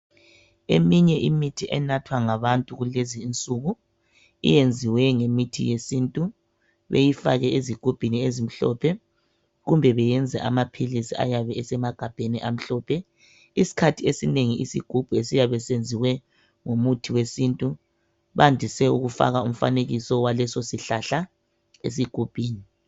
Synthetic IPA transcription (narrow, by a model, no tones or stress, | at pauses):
ḛmiɲɛʔimitʰiʔɛnatʰwaŋaβantʼuɣuleziːnt͡sʼuɣu | ḭjend͡zʱiwɛŋemitʰḭjesintʼu | βḛjifaɣɛeziɡ̥ʱub̥ʱiniezim̩ɬɔ̰pʰɛ | ɣumbʱɛβɛjɛnd͡zʱɛʔamapʰilisia̰jaβɛɛsɛmaɡ̥ʱab̥ʱeniʔam̩ɬɔːpʰɛ | isi̥kʰatʰiesineŋiisḭɡ̥ʱub̥ʱuesijaβɛsend͡zʱiwɛ | ŋomutʰiwesintʼu | βandʱisɛuɣufa̰ɣaum̩fa̰neɣisɔwalɛsosiɬaɬa | ḛs̬iɡ̥ʱub̥ʱiːni